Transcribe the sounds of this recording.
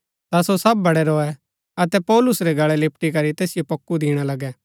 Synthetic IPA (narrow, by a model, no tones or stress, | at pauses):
t̪asosɐb̚ːɐɽɛɾoːɛ | ɐt̪ɛpɔːlʊsɾɛɡɐɭɛlɪpʈikɐɾit̪eːsɪjopɐkːud̪ʱiːɽ̃alɐɡɛ